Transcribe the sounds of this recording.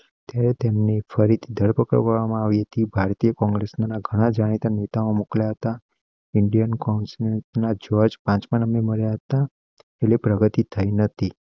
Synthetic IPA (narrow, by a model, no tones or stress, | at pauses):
t̪jaɾet̪emnefəɾit̪ʰid̪ʱəɭpəkə̰ɾʋəɾʋamãaʋiɦət̪ibʱaɾt̪ijəkɔ̃ŋɡɾesnanaɡʱəɽ̃ad͡ʒaɽ̃it̪anet̪aõmukljaɦət̪a | ɪɳɖijənkɔnsneʈnad͡ʒɔd͡ʒpãt͡ʃmãnəmeməɭjaɦət̪a | elepɾəɡət̪it̪ʰːəinət̪ʰi